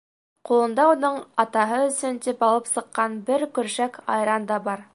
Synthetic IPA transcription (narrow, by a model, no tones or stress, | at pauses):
qulˠɤ̆nd̪ɑunɤɴɑt̪ɑɦɤɵ̆sɵnt̪ipɑlˠɤpsɤ̆qːɑnbɘɾkɵ̆ɾʃækɑ̰jɾɑnd̪ɑbɑɾ